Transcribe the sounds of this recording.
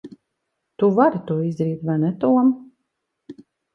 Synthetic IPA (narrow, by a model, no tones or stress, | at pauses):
t̪uvaɾit̪uɔizd̪ɾiːt̪vajnɛt̪uɔm